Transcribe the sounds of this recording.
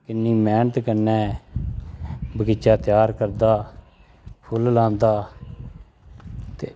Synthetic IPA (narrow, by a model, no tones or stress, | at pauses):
kɪnːiːmɛːɳt̪kənːɛ̃ː | bəɡɪt͡ʃaːt̪ɪjaːɾkəɾd̪aː | pʰʊllãːnd̪aː | t̪eː